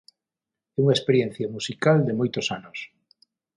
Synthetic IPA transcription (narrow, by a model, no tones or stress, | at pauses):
ɛuŋaespeɾjẽn̟θjamusikald̪emojt̪osanʊs